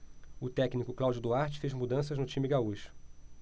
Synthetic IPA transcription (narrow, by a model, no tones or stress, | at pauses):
ʊt̪ɛknikʊklawd͡ʒʊd̪uaɾt͡ʃɪ̥fezmud̪ɐ̃s̬ɐznʊt͡ʃĩmɪɡauʃʊ̥